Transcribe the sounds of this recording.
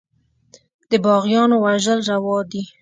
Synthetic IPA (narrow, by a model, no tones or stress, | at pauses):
d̪əbɑɣjɑnowaʒəlɾawɑd̪i